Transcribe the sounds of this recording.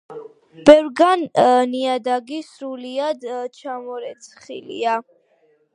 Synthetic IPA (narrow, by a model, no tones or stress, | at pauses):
b̥ɛvɾɡanniad̪aɡisɾuliad̪t͡ʃʰamɔɾɛt̪sʰχḭlḭa